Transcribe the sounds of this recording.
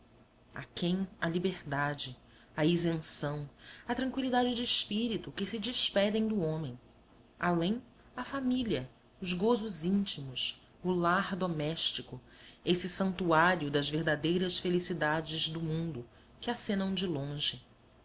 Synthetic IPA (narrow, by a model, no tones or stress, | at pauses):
a̰kẽj̃ɐlibeɾd̪ad͡ʒɪ | ɐizẽsɐ̃w̃ɐt̪ɾɐ̃ŋkwilid̪ad͡ʒɪd͡ʒɪːʃpiɾit̪ʊkɪsɪd͡ʒispɛd̪ẽj̃d̪ʊõmẽj̃ | alẽj̃ | ɐfamiliɐ | ʊzɡozʊzĩnt͡ʃimʊs | ʊlaɾd̪omɛʃt͡ʃikʊ | esɪsɐ̃nt̪uaɾjʊd̪ɐzveɦd̪ad̪ejɾɐsfelisid̪ad͡ʒɪzd̪ʊmũnd̪ʊ | kɪasẽnɐ̃w̃d͡ʒɪlõʒɪ